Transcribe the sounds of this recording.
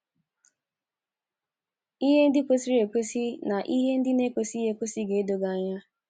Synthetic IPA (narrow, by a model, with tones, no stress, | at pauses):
i˦ɦe˦n̩˦dɪ˦ko˦si˦ɾe˨kʷe˦si˦na˨ʔi˦ɦe˦n̩˦dɪ˦ne˦kʷo˨si˦ɦe˦ku˦si˦ɡe˨˦do˨ɡa˨ɲa˦